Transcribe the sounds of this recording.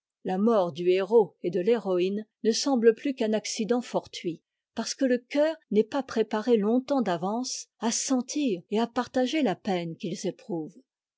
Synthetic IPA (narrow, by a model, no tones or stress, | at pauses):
lamɔʁd̪yeʁoed̪əleʁɔinnəsɑ̃bləplykɛ̃naksid̪ɑ̃fɔʁt̪ɥi | paʁsə̥kələkʲœːʁnɛpapχepaʁelɔ̃t̪ɑ̃d̪avɑ̃sasɑ̃t̪iːʁeapaʁt̪aʒelapɛnkʲilzepχuːv